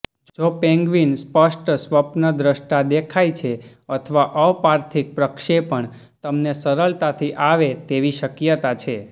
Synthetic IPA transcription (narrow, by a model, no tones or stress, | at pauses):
d͡ʒopɛ̃ŋɡʋinspəʃʈsʋəpnəd̪ɾəʃʈad̪ekʰajt͡ʃʰe | ət̪ʰʋaʔəʋpaɾt̪ʰik̚pɾəkʃepəɳ | t̪əmnesəɾəɭt̪at̪ʰiʔaʋet̪eʋiʃəkjət̪at͡ʃʰe